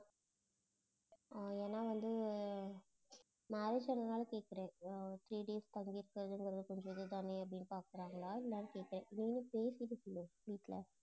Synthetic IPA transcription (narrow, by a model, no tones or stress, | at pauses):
eːnːaːʋɐnd̪ɯ | maːɾeːd͡ʒpɐnːɐnaːlkeːʈ̚kːɪɾẽːt̪ɾiːɖeːst̪ɐŋɡiɪɾɯkːɪɾɐðɯɛŋɡɐɾɐðɯkɔɲd͡ʒʋɐnd̪ɯd̪aːneːɐp̬ːɐɽɪnːɯpaːkɯɾaːŋɡɐɭaːɪlːaːnɐkeːʈkːɾẽːɪnːɪnːɯpeːsɪʈːɯsʊlːɯ̃ʋiːʈːlɐ̰